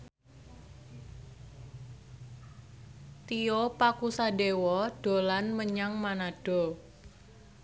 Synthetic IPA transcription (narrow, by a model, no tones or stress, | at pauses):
t̪iopakusadewɔɖ̥o̤lanməɲaŋmanaɖ̥ɔ̤